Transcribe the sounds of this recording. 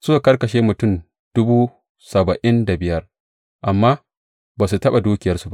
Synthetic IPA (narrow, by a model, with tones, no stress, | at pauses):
sʊ˦ka˨kɐ˦rkɐ˨ʃeː˦mʊ˨tʊ˦˨n | d̥ʊ˦buː˦ | sɐ˨bɐ˨ʔɪ˦nda˨bɪ˨jɐ˦r | ʔa˨mːaː˦ | baː˨s̬u˨tɐ˦ɓa˨duː˦kʲɪ˨jɐ˦rsu˦ba˦ʔ